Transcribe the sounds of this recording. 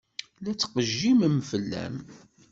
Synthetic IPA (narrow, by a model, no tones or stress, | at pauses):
læt͡sːqəʒːiməmfəlːæ̰m